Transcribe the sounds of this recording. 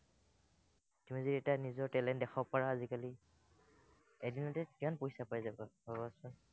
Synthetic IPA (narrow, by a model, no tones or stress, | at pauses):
timiziɹɛtanizɔɹtɛlɛntdɛxʰɔpaɹaːzikali | edinɔtɛkimanpojsapajzabababɔsun